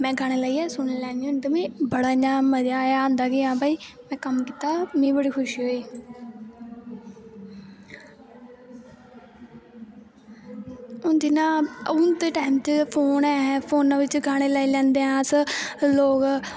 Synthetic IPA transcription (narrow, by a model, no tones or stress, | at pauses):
mɛ̃ːɡaːɽ̃eːləiːɛːsʊnːlɛ̃ːñːʈəmĩːbəɽaːɲãːməd͡ʒaːjaãːnd̪aːɡeːãːbaːiːmɛ̃ːkəmkiːt̪aːmĩːbəɽiːkʰʊʃiɦoːiː | ʊnd̪ɪnãːʊnt̪eːʈaːɪmt͡ʃpʰoːnɛ̃ːpʰoːnãːʋɪt͡ʃɡaːɽ̃eːlaːiːlɛ̃ːnd̪eːãːsəloːk